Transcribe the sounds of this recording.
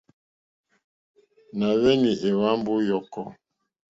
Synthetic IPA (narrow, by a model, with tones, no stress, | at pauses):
na˨βɛ˦ni˨ʔe˨wa˦m˦bu˦jɔ˨kɔ˦˨